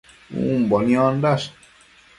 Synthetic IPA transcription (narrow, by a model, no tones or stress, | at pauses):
ṵmbɔnĩɔ̃ndas